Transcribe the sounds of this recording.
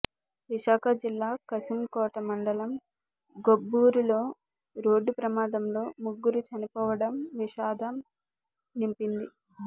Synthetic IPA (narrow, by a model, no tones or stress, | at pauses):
ʋiʃaːkʰɐd͡ʒilːaːkɐsimkɔːʈɐmɐɳɖɐlɐm | ɡobːuːɾulo̞ː | ɾo̞ːɖːupɾɐmaːd̪ɐmlo̞ːmuɡːuɾut͡ʃɐnipɔːʋɐɽɐmʋiʃaːd̪ɐm | nimpind̪i